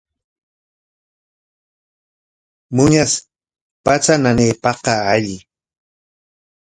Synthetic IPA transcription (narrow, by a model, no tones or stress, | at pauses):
mʊɲas | pat͡sananeːpɑqɑaʎɪ